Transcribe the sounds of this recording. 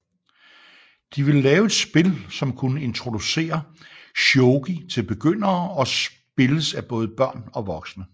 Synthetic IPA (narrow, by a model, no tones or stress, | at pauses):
d̥iʋe̝llɛːʊe̝d̥sb̥e̝lsɒ̽mkʰunəe̝nt͡sʰʁo̝d̥use̝̰ːɐ | ɕoʊɡ̥it͡sʰe̝lb̥e̝ɡ̥øn̰ɐːɒ̽s | b̥e̝ləsæb̥ɔ̽ːð̞̩ˠəb̥ɶɐ̰nɒ̽ʋɒ̽ɡ̥snə